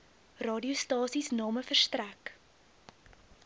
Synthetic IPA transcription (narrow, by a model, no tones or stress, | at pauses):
rɑːdiostɑːsisnɑːməfərstræk